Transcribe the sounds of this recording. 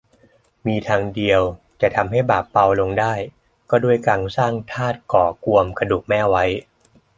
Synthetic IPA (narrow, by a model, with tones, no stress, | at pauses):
miː˧t̪ʰaː˧ŋdi˧əw | t͡ɕa˨˩t̪ʰa˧mɦa˥˩jbaː˨˩pːa˧wlo˧ŋdaː˥˩j | kɔː˥˩du˥˩əjkaː˧ŋsaː˥˩ŋt̪ʰaː˥˩t̪̚kɔː˩ku˧əmkʰa˧duː˨˩k̚mɛː˥˩wa˦˥j